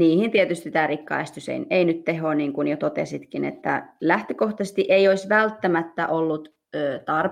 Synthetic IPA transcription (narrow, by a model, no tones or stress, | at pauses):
niːhint̪iet̪yst̪it̪æːrikːɑ̰est̪ysḛineinyt̪t̪ehˑoːniːŋkunjot̪ot̪ḛsit̪kinḛt̪ːæ̰læht̪økoht̪ɑst̪iʔeioisʋælt̪ːæmæt̪ːæʔolːut̪ | øːt̪ɑr